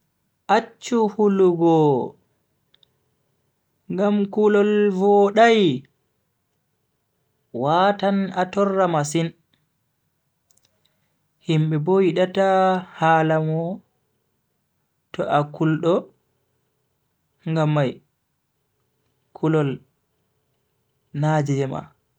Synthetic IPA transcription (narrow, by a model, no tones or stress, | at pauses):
ʔat͡ʃːuhuluɡɔ | ŋɡamkulɔlvɔɗaj | watanatɔrːamasin | himɓɛbɔjiɗatahaːlamɔ | tɔʔakulɗɔ | ŋɡamːaj | kʰulɔl | nad͡ʒɛd͡ʒɛma̰